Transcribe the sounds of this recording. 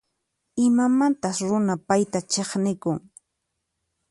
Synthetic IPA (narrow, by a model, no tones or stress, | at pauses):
ɪmamant̪asɾʊnapajt̪at͡ʃeχnɪkʊŋ